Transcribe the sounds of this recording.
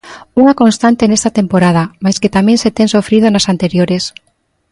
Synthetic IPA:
uŋako̞nst̪ant̪enest̪at̪e̞mpoɾað̞amajsket̪amjẽnset̪ensofɾið̞onasant̪eɾjoɾes

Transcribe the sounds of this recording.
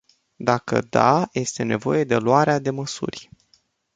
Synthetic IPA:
d̪akə̰d̪aje̞st̪e̞ne̞vo̞je̞d̪e̞luaɾead̪e̞məsṵrʲ

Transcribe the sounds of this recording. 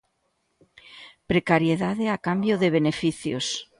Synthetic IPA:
pɾekaɾjeðaðeakambjoðeβ̞enefiθjo̰s

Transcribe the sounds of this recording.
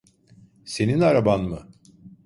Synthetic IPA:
se̞ninaɾabanmɯ

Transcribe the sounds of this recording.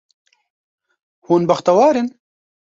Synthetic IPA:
huːnbɐxt̪ɐwɑːɾen

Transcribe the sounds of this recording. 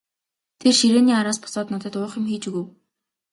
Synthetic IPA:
t̪ʰerʃiɾeːniːaɾaːspɔ̥sɔːt̪nɔt̪ə̆t̪ʊːχɪ̆mxiːt͡ɕuɣŭw

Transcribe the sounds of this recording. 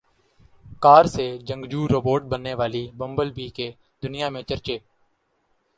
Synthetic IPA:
kaːɾseːd͡ʒə̃ŋɡd͡ʒuːɾoːboːɾʈ̚bənːeːʋaːliːbəmbəlbiːkeː | d̪ʊnɪjãːmẽːt͡ʃəɾt͡ʃeː

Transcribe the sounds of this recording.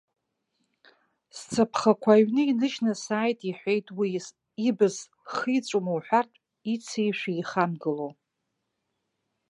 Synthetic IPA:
st͡sʰapʰχakʷʰaɥnɨinɨʃnasaːjtʼiħʷejtʼwiː | bɨz | χit͡sʷʼumowħʷᶣartʼ | it͡sʰejʃʷᶣiiχamɡɨlow

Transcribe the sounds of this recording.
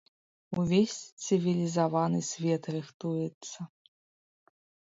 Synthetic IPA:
uvʲesʲt̪sɨvʲilʲizavanɨsʲvʲɛt̪rɨxt̪ujɛt̪sːɐ

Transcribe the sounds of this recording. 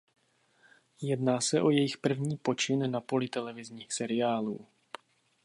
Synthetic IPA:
jɛdnaːsɛʔo̞jɛjɪxpr̩vɲiːpo̞t͡ʃɪnnapo̞lɪt̪ɛlɛvɪzɲiːxsɛɾɪaːlṵː

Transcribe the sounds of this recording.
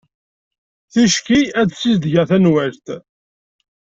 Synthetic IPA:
θiʃkiæd̪sizd̪ʝæθænwælt̪

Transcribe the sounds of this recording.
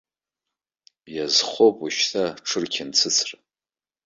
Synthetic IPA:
jazχopʼuʃtʰaʈ͡ʂʰɨrkʲʰɪnt͡sʰɨt͡sʰra

